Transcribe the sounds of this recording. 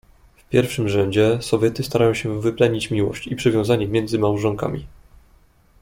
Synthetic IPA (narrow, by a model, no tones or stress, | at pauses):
fpʲjɛɾfʂɘmʐɛɲd͡ʑɛsɔvʲjɛt̪ɘst̪aɾajɔ̃w̃ɕɛvɘplɛɲit͡ɕmʲiwɔ̰ɕt͡ɕipʂɘvʲjɔ̃w̃zaɲɛmʲjɛnd̪zɘmawʐɔŋka̰mʲḭ